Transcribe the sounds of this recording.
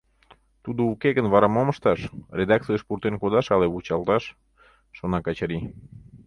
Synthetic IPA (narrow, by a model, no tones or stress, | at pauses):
t̪ud̪oukeɣənβɑɾɑmoməʃt̪ɑʃred̪ɑk̚t͡sijəʃpurt̪enkod̪ɑʃɑleβut͡ɕɑlt̪ɑʃː | onɑkɑt͡ɕəɾi